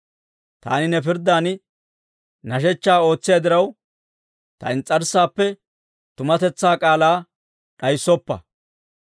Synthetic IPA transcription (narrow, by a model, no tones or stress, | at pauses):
t̪a̰ːnɪnɛp̬ɪɾd̪aːnɪ | nɐʃ̬ɛt͡ʃːaːo̞ːt͡sːɪjad̪ɪɾɐw | t̪ɐ̰ɪnt͡sʼːɐɾsːaːpːɛ | t̪ʊmɐt̪ɛt͡sːaːkʼaːlaː | ɗɐjsːɔpːɐ̰